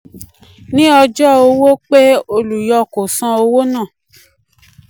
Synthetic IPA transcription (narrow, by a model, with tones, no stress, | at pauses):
nĩ˦ɔ˧d͡ʒɔ˦o˧wo˦k͡pe˦o˧lu˨jɔ˧ko˨sã˧o˧wo˦nã˦˨